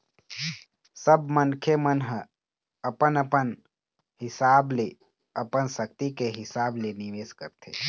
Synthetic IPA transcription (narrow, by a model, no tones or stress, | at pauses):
səbmənkʰemənɦə̃ | əpənəpən | ɦɪsable | əpənsək̚t̪ikeɦɪsaːbleniʋeːskəɾt̪ʰḛ